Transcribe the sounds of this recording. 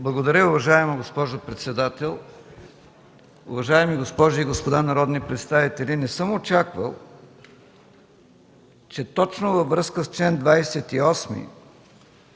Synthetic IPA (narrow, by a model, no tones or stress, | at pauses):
blˠɐɡod̪ɐɾʲəʊvɐʒaɛmɐɡospɔʒopɾɛt̪sɛd̪at̪ɛlˠ | ʊ̰vɐʒaɛmiɡospɔʒiiɡospod̪anɐɾɔd̪nipɾɛt̪st̪avit̪ɛlʲinɛsɤmot͡ʃakvə̰lˠ | t͡ʃɛt̪ɔt͡ʃnovɐvɾɤskəst͡ʃlɛnd̪vajsɛt̪iɔsmḭ